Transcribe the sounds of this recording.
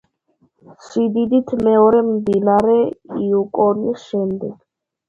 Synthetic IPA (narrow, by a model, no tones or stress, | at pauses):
sid̪id̪it̪ʰmɛɔɾɛmd̪inaɾɛiukʼɔnisʃɛmd̪ɛɡ̥